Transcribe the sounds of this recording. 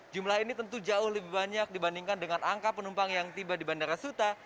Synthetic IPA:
d͡ʒumlaɦinit̪ənt̪ud͡ʒaʊhləbɪhbaɲak̚dibandiŋkandəŋanaŋkapənumpaŋjaŋt̪ibadibandaɾasut̪a

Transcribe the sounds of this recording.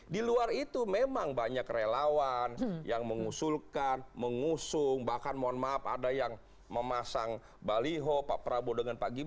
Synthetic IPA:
diluarit̪umemaŋbaɲakrelawanjaŋməŋusulkanməŋusʊŋbahkanmoanmaːp̚a̰dajaŋ | məmasaŋ | baliɦopaʔpɾabodəŋanpaɡi

